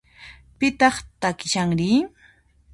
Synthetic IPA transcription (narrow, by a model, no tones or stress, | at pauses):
pɪt̪ɑχt̪akɪʃaŋɾɪ